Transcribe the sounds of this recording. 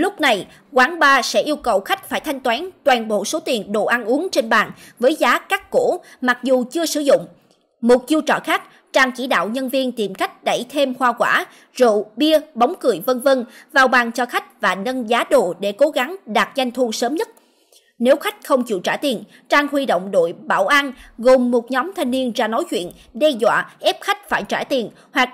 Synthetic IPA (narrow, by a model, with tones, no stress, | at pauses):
lʊ˦˥k͡p̚na˨˩j | kwaː˨˦ŋɓaː˧sɛ̰˧˥ʔi˧əwkə˨˩wxa˦˥jk̟̚faː˧˩jt̪ʰa˧jŋ̟t̪waː˨˦nt̪waː˨˩nɓo̰˧˨so˨˦t̪i˨˩ənɗo̰˧˨ʔaː˧nʔu˨˦əŋt͡ɕe˧nɓaː˨˩n | vəː˨˦jzaː˨˦kaː˦˥kkṵ˧˥ma˨˩k̚zu˨˩t͡ɕɨ˧əsɨ̰˧˩zʊ̰˧˨ŋ͡m | mo˨˩t̚zu˧t͡ɕɔ̰ː˧˨xaː˦˥k̚ | t͡ɕaː˧ŋkḭ˧˩ɗa̰ː˧˨wɲə˧nvi˧ənt̪i˨˩mka˦˥jk̟̚ɗə˧˩jt̪ʰe˧mhwaː˧kwaː˧˩ | zṵ˧˨ɓi˧əɓa˨˦wŋ͡mkɨ˨˧˩əjvə˧nvə˧nvaː˨˩wɓaː˨˩ŋt͡ɕɔ˧xa˦˥jk̟̚vaː˨˩nə˧nzaː˨˦ɗo̰˧˨ɗe˧˩ko˨˦ɣa˨˦ŋɗaː˨˩t̚za˧jŋ̟t̪ʰu˧səː˨˦mɲə˦˥t̚ | ne˨˦wxa˦˥jk̟̚xə˧wŋ͡mt͡ɕḭ˧˨t͡ɕaː˧˩jt̪i˨˩ən | t͡ɕaː˧ŋhwi˧ɗo̰˧˨wŋ͡mɗo̰˧˨jɓa̰ː˧˩wʔa˧nɣo˨˩mːo˨˩t̚ɲɔ˨˦mt̪ʰa˧jŋni˧ənzaː˧no˨˦jt͡ɕwḭ˧˨ən | ɗɛ˧zwa̰ː˧˨ʔɛ˦˥p̚xa˦˥jk̟̚faː˧˩jt͡ɕaː˧˩jt̪i˨˩ən | hwa˨˩k̚